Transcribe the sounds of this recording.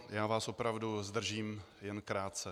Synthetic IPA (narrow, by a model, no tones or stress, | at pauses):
jaːvaːsʔo̞pɾavduzd̪r̩ʒiːm | jɛnkɾaːt̪t͡sɛ